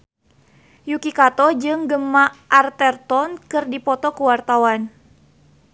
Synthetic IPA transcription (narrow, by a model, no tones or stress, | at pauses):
jukikat̪ɔd͡ʒɨŋɡəmaʔart̪ɛrt̪ɔnkɨrdipɔt̪ɔkuwart̪awan